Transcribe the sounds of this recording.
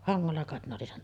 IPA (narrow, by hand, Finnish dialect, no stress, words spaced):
hɑŋːolːɑ kɑˑet ne oli sen